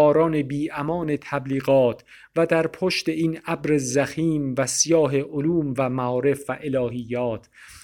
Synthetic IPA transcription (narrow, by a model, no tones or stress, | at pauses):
ɒːɾɒːne̞biːʔæmɒːne̞t̪ʰæbliːɣɒːt̪ʰ | væd̪æɾpʰoʃt̪e̞iːnæbɾezæxiːmvæsijɒːɦe̞ʔoluːmvæmæɒːɾe̞fvæʔe̞lɒːhijːɒːt̪ʰ